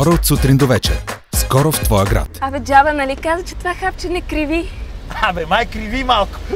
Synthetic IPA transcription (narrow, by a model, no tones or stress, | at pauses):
ɔɾəot̪sut̪ɾind̪ovɛt͡ʃɛ̰ɾskɔɾoft̪vɔjəɡɾa̰t̪ɐvɛd͡ʒavɐnɐlikazət͡ʃɛ̥t̪ovaxap̚t͡ʃɛnɛkɾiviabɛmajkɾivimalˠkʊ̥